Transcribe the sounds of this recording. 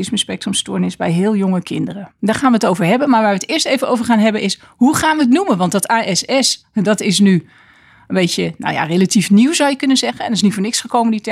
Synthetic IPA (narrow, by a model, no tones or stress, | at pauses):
ɪsməspɛk̚trəmstʊːɹnɪzbɛjɦɪːlˠjʊŋəkʰɪndərədaːɹχaːnʋəətowvəɹɦɛbənmaːɹʋaːɹʋətɪːɹstejvənowvəɹχaːnɦɛbənʔɪs | huχaːnʋəət̬numənʋɑntdɑtaːʔɛsɛs | dɑtɪsny | ənbejtəna̰wja̰relatifniwzʌwjəkɵnənzɛχənɛndɪsnitfʊɹnɪksχəkowmənditɛ